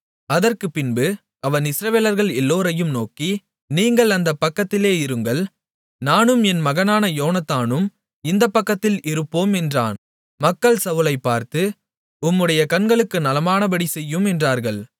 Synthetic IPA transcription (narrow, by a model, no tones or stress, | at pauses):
ɐðɐrkɯpɪnbɯ | ɐʋɐnɪsɪɾɐʋeːlɐɾɣɐɭɛlːoːɾɐjɯmnoːki | niːŋɡɐɭɐnd̪ɐpːɐkːɐt̪ːɪleːɪɾɯŋɡɐɭ | naːnɯmɛnmɐɣɐnaːnɐjoːnɐt̪ːaːnɯm | ɪnd̪ɐpːɐkːɐt̪ːɪlʔɪɾɯpːoːmɛndra̰ːn | mɐkːɐɭsɐʋɯlɐɪpːaːɾt̪ɯ | ʊmːɯɽɐjɐkɐnɡɐɭɯkːɯnɐlɐmaːnɐbɐɽisɛjːɯmɛndraːɾɣɐɭ